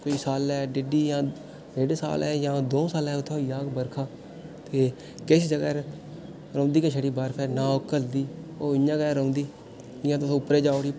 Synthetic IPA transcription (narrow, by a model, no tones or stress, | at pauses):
koiːsaːlɛːɖɪɖiːjãː | ɾeːɖsa̰ːlɛːjãːd̪oːsaːlɛːʊt̪ʰːeːijaːɡbəɾkʰaː | t̪eː | kɪsd͡ʒəɡɛː | ɾõːnd̪iːkəʃʰəɽiːbaːɾpʰɛːnãːoːkəld̪iːoːɪjãːɡɛːɾõːnd̪iː | ɪjãːt̪ʊsõːʊpɾeːd͡ʒaːoɽi